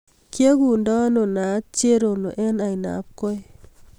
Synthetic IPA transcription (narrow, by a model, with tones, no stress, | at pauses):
kja˦ɡu˨ndɔ˦no˨na˨˦t͡ʃe˦ɾo˨no˨ʔɛ˦na˨i˨na̰˨˦p̚ko˦j